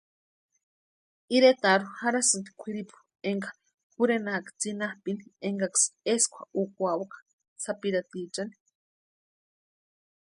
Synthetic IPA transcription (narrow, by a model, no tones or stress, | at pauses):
iɾet̪aɾuhaɾasɨnt̪i̥kʷʰiɾipu̥ | eŋɡḁ | puɾenakḁt͡sinahpinieŋɡakseskʷa̰ukʷawakḁ | t͡sʰapiɾat̪it͡ʃani̥